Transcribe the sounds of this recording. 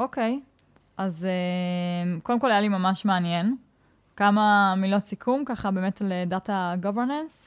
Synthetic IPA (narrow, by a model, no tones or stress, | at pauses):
ʔoke̞j | ʔazemkodemkolajalimamaʃmeanje̞n | kamamilo̞t͡sikʰumkaχabe̞ːmetledataɡoveʁnans